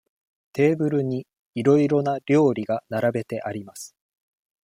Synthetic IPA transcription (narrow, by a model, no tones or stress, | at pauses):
t̪e̞ːbɯ̟ɾɯ̟ɲ̟i | iɾo̞iɾo̞naɾʲo̞ːɾʲiɡanaɾabe̞t̪e̞ʔaɾʲimasɨ̥